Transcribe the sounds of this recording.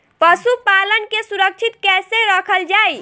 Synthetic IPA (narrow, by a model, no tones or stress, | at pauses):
pəsupalənkesuɾək̚t͡ʃʰit̪kɛseɾəkʰəld͡ʒaj